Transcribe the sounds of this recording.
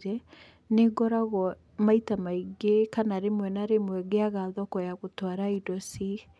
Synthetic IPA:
ɾɛ | neɡɔɾaɣɔ | maitamaiɡekanaɾemwɛnaɾemwɛɡeaɣaðɔkɔjaɣotwaɾaidɔsi

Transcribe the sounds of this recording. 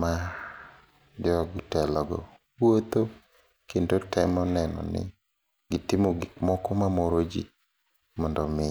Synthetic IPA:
ma | d͡ʒɔɡtɛlɔɡɔ̰ | wwot̪o | kendotɛmɔnɛnɔ̰nɪ̰ | ɡɪtɪmoɡɪkmɔkɔmamoɾod͡ʒḭ | mɔndɔmɪ

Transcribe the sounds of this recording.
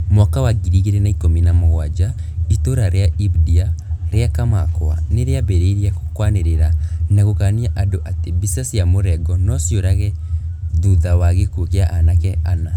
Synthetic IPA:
mwakawaɡiɾiɣeɾenaikominamoɣwad͡ʒaitoɾaɾeaibdiaɾeakamakwa̰neɾeabeɾeɾiako̥kwaneɾeɾanaɣokaniaʔadoʔatebisasijamoɾɛɡɔnɔsjoɾaɣɛ | ðuðawaɣekokeaʔanakɛana

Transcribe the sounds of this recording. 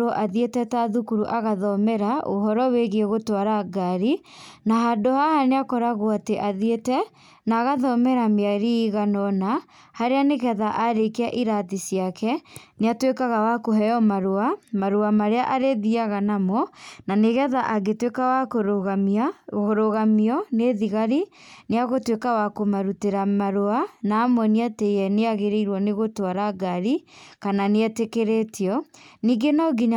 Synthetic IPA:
oʔaðietɛtaðukuɾuʔaɣaðɔmɛɾaʔo̰ɦɔɾɔweɣeeɣotwaɾaɡaɾi | naɦadohahaneakɔɾaɣoateʔaðietɛ | naːɣaðɔmɛɾamiaɾiːɣanɔna | haɾeaneɣɛðaʔaɾekeaʔiɾatisiakʰɛneatwekaɣawakoɦɛjɔmaɾuamaɾoamaɾeaʔaɾeðiaɣanamɔnaneɣɛðaʔaɡetwekawakoɾoɣamiaɣoɾoɣamiɔneðiɣaɾineaɣotwekawakomaɾuteɾamaɾoanaːmwɔniatejɛneaɣeɾeiɾwɔneɣotwaɾaɡaɾikananeɛtekeɾetʰiɔniːɡenɔɡiɲa

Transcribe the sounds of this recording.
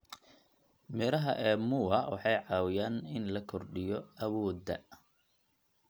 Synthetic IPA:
mɛɾɐɦɐ̰ʔɛːmʊɐwɑ̰ħɑjʕɑːwɪjaːnɪnlɐkʰɔrɖɪjɔɐwɔːd̪ɐ̰

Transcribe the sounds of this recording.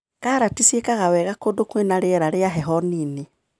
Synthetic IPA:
kaɾatisiekaɣawɛɣakodokwenaɾeɛɾaɾeaɦɛɦɔniːne

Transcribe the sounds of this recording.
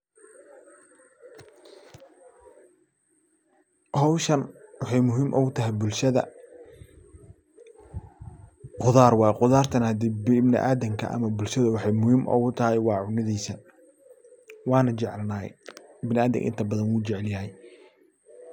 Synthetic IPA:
hɐwʃɐnwɑħɑjmʊɦiːmʔʊ̰ɣʊt̪ʰɐɦɛjbʊlʃɐðɐ̰ | qʊðaːrwɑːjqʊðaːrt̪ʰɐnhɐd̪iːbbnɪ̰ʔaːd̪ɐŋkʰɐ̰ʔɐ̰mɐbʊlʃɐðʊwɑħɑjmʊhiːmʔʊ̰ɣʊt̪ʰɐɦɛjwɑːʕʊnɪðiːsɐ | wɑːnɐt͡ʃɛʕlɐnaːɛ̰bɪnɪaːd̪ɐ̰ŋʔɪ̰nt̪ʰɐbɐðɐnwuːt͡ʃɛʕɛljɐɦɛj

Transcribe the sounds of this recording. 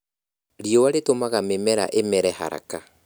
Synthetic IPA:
ɾiowaɾetomaɣamemɛɾa̰ʔemɛɾɛha̰ɾa̰ka

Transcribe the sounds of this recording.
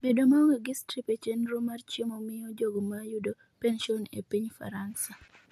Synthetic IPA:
bedomaweɡistɾipet͡ʃenrumart͡ʃemomɪjɔd͡ʒoɡomajudo | penʃiɔnḛpiɲfa̰ɾansa

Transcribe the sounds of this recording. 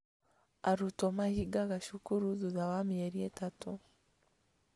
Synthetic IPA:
aɾutɔmahiɡaɣaʃukuɾuzuðawamieɾietatu

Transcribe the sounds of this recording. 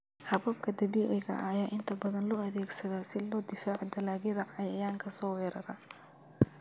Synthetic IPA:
hɐβɐb̚kʰɐd̪ɐβiːʕɪɣɐ̰ʔɐjaːʔɪnt̪ʰɐbɐðɐnlɔːɐðɛːɡsɐðaːsɪlɔːd̪ɪfaːʕɔd̪ɐlaːɣjɐðɐʕɑjɐjaːŋkʰɐsɔːwɛːɾɐɾɐ

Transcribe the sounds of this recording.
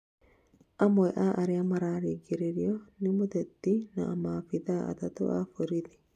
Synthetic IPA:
ʔɐmɔɛʔaːʔɐɾɪɐmɐɾaːɾiɡɪɾɛɾɪjɔnɪmʊd̪ɛt̪ːinɐʔːmaːfɪd̪aːɐ̰t̪ɐt̪ʊ̰ʔa̰ːfʊɾɪt̪ɪ̥

